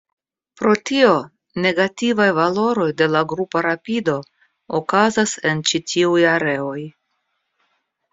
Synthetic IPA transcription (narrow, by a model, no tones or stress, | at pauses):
pɾo̞tio̞ | ne̞ɡativajvalo̞ɾo̞jde̞laɡɾupaɾapido̞ | okazase̞nt͡ʃitʰiujaɾe̞o̞j